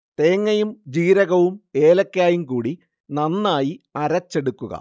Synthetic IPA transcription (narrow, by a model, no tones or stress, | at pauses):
t̪eːŋːɐjumd͡ʑiːɾɐɣɐʋume̞ːlɐkːaːjumkuːɽi | nɐnːaːjiɐɾɐt͡ɕːe̞ɽukːuɣɐ̰